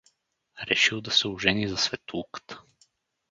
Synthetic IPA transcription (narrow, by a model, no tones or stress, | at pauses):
ɾɛʃilˠd̪ɐsɛʊʒɛnizɐsvɛt̪uukə̥t̪ə̥